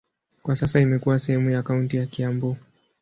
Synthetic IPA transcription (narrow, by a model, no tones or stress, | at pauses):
kwasasaimɛkuwasɛhɛmujaːkauntijakiambɔ